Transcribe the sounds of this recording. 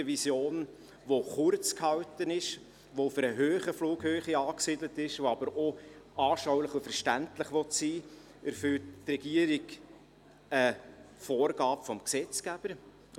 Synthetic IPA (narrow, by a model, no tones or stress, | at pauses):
əʋisjoːn | ʋoχʊɾt͡skhɑwtənɪʃ | ʋoføɾəɦøːχəfluːkhøːχiɑːksidlətɪʃʋoɑbəɾoɑːʃawləχufɛɾʃtæntləχʋɔtsiː | æɾfølttrɛɡ̥iəɾiɡ | əfoːɾɡɑːpfɔmksɛt͡skæb̥əɾ